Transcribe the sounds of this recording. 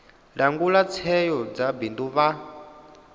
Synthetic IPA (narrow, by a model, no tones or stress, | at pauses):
ɺaŋɡulat͡sʰɛjɔd͡zabinduβa